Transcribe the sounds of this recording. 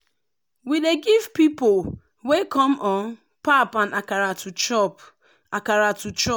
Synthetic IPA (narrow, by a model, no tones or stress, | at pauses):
wideɡivpipol | wekʰɔmɔn | papanakaɾatut͡ʃɔp | akaɾatut͡ʃɔ